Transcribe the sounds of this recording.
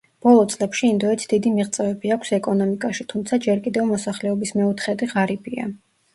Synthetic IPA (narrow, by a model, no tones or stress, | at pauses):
b̥ɔlˠɔt̪sʼlɛpʃiːnd̪ɔɛt̪sʰd̪̥id̪imiʁt̪sʼɛvɛbiakʷʰsɛkʼɔnɔmikʼaʃit̪ʰumt̪sʰad͡ʒɛɾkʼid̪ɛvmɔsaχlɛɔbismɛut̪ʰχɛd̪iʁaɾibʰia̰